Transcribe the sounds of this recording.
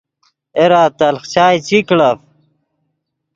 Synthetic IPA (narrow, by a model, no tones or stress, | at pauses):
eɾaːt̪ɐlχt͡ɕaːjt͡ɕikɽɐf